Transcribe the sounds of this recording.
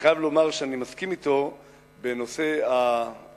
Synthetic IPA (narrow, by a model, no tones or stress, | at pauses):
χajavlo̞maʁʃeanimaskimit̪o̞ | be̞no̞se̞a